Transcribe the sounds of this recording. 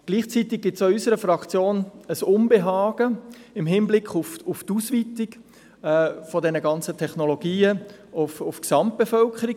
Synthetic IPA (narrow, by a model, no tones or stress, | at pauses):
ɡ̥liːχt͡sitɪk̚ɡ̥ɪtsoysəɾəfɾɑkt͡sjoːnəsʊnbeɦɑːɡ̥əɪmɦɪnblɪkχʊfʊftusʋitɪk | ɛfɔdɛnəɡɑnt͡sətʰɛχnoloɡ̥iːə | ʊfʊfksɑmt̚b̥efœlkʰəɾik